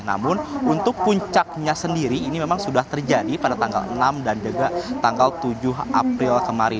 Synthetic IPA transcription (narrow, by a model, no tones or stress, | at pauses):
na̰mʊnunt̪ʊk̚puɲt͡ʃak̚ɲasəndiɾiːnimemaŋsudaht̪ərd͡ʒadipadat̪aŋɡa̰lə̰namdand͡ʒəɡat̪aŋɡalt̪ud͡ʒʊɦʔa̰pɾɪlkəmaɾi